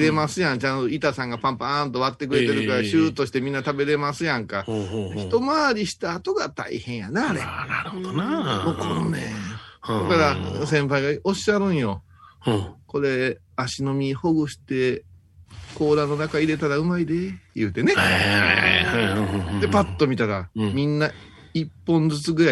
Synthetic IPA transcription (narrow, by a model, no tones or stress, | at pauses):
ɾe̞masɨjãnt͡ɕãnt̪oit̪asãŋɡapãmpãnt̪o̞βat̪ːe̞k̬ɯ̟ɾe̞t̪e̞ɾɯ̟kaɾaɕɨːt̪o̞ɕi̥t̪e̞mʲĩnːat̪abe̞ɾe̞masɨjãŋkaçi̥t̪o̞maːɾʲiɕi̥t̪aːt̪o̞ɡat̪a̰ihẽ̞ɰ̃ja̰naːɾenaɾɯhod̪onamokʰononed̪akaɾasẽ̞mpaiɡaoɕaɾɯ̟̃ɰ̃jo̞ | ko̞ɾe̞ | aɕino̞mʲiho̞ɡɯ̟ɕi̥t̪e̞ | ko̞ːɾanːo̞nakaiɾe̞t̪aɾaɯ̟maid̪e̞jɯ̟ːt̪e̞ne̞aaa̰ad̪e̞pat̪ːo̞mʲit̪aɾamʲĩnːa | ipːõ̞nd͡zɨt͡sɨɡɯ̟ɾa